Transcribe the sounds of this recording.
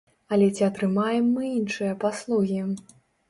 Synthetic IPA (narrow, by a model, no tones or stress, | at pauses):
ɐlʲɛt͡sʲiɐt̪ɾɨmajɛmːɨinʂɨjɐpaslˠuɣʲi